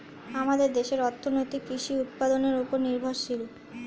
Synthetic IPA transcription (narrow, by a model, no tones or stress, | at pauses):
amad̪eɾd̪eʃeɾɔɾt̪ʰːonojt̪ikiʃiut̪̚pad̪oneɾupoɾniɾbʱoɾʃilo